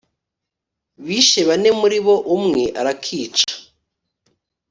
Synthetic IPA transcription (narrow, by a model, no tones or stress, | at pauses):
βiːʃe̞βane̞muɾiβo̞ʔumŋeʔaɾakʰiːt͡ʃḁ